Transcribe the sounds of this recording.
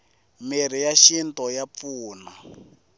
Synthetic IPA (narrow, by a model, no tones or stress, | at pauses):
miɾijaʃintɔjap̪fuːna